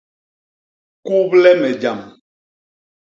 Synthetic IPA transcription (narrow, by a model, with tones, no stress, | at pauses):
ku˦blɛ˦mɛ˨d͡ʒa˨m